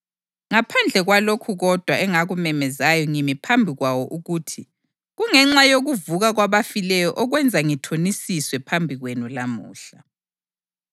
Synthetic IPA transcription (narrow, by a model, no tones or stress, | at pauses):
ŋapʰand͡ɮʱɛɣwalokʰuɣɔd̥ʱwaɛŋaɣumɛmɛzajɔŋimipʰambʱiɣwawɔʔuɣutʰi | ɣuŋɛŋ͡ǁajoɣuvuɣaɣwaβafilɛjɔʔɔɣwɛnd͡zʱaŋitʰonisiswɛpʰambʱiɣwenulamuːɬa